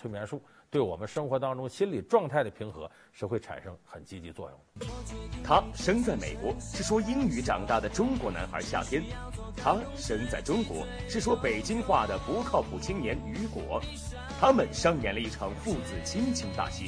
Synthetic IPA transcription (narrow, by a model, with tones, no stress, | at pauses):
wmjɛ˧˥nʂu˥˩t̪we˥˩ɪwɔ̰˨˩mə˦nʂɤ˥ŋxwɔ˧˥t̪ɑ˥ŋʈ͡ʂʊ˥ŋɕi˥nli˨˩ʈ͡ʂwɑ˥˧ŋt̪ʰa˥˩ɪd̪ə˩pʰi˧˥ŋxɤ̰˧˥ | ʂɻ̩˧˥xwe˥˩ɪʈ͡ʂʰa̰˨˩nʂɤ˥ŋxə˨˩nt͡ɕi˥t͡ɕi˧˥t͡swɔ̰˥˧jʊ̰˥˩ŋ | t̪ʰa˥ʂɤ˥ŋt͡sa˥˩ɪmḛ˨˩ɪkwɔ˧˥ʂɻ̩˥˩ʂwɔ˥i˥ny˧˥ʈ͡ʂɑ˨˩ŋt̪a˥˩d̪ə˩ʈ͡ʂʊ˥ŋkwɔ˧˥na˧˥nxə̰˞˧˥ɕja̰˥˧˩t̪ʰjɛ˥n | t̪ʰa˥ | ʂɤ˥ŋt͡sa˥˩ɪʈ͡ʂʊ˥ŋkwɔ̰˧˥ʂɻ̩˥˩ʂwɔ˥pe˨˩ɪt͡ɕi˥ŋxwa˥˩d̪ə˩pu˧˥kʰɑ˥˩ʊpʰu˨˩t͡ɕʰi˥ŋnjɛ˧˥ny˧˥kwɔ̰˧˥ | t̪ʰa˥mə˨nʂɑ˥˩ŋnjɛ˧˥nlə˧i˥˩ʈ͡ʂʰɑ˧˥ŋfu˥˧˩t͡sɹ̩˨˩t͡ɕʰi˥ŋt͡ɕʰi˧˥ŋt̪a̰˥˩ɕi˥